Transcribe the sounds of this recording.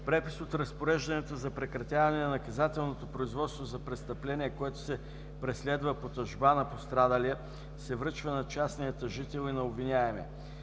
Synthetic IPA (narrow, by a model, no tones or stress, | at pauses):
pɾɛpisot̪ɾɐspoɾɛʒd̪ɐnɛt̪ozɐpɾɛkɾɐt̪ʲjavɐnɛnɐnɐkɐzat̪ɛlˠnot̪opɾoizvɔt̪st̪vozɐpɾɛst̪ɐplɛniɛkoɛt̪o̥sɛ | pɾɛslɛd̪vəpot̪ɐʒbanɐpost̪ɾad̪əliə | sɛvɾɤt͡ʃvənɐt͡ʃasnijət̪əʒit̪ɛlˠinɐobvinʲaɛmɛ̰